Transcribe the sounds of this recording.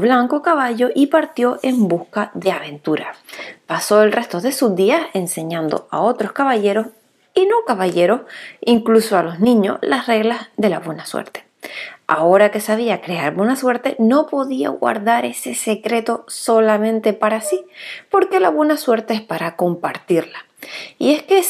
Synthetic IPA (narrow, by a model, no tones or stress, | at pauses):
βlaŋko̞kaβaʝo̞ʔipaɾt̪jo̞ʔe̞mbuskaðe̞aβ̞e̞nt̪uɾapaso̞e̞lrʔe̞st̪o̞ðe̞suzðiase̞nse̞ɲãnd̪o̰ao̞t̪ɾo̞skaβaʎe̞ɾo̞s | ino̞kaβaʝe̞ɾo̞siŋklusoalo̞znĩɲo̞̰slasre̞ɣlazðe̞laβwe̞naswḛɾt̪e̥ | a̰o̞ɾake̞saβ̞iakɾe̞aɾbwe̞naswe̞ɾt̪e̞no̞po̞ðia̰ɣwa̰ɾðaɾe̞se̞se̞kɾe̞t̪o̞so̞lamẽ̞nt̪e̞paɾasipo̞ɾke̞laβwe̞naswe̞ɾt̪eehpaɾako̞mpaɾt̪iɾla | ie̞ske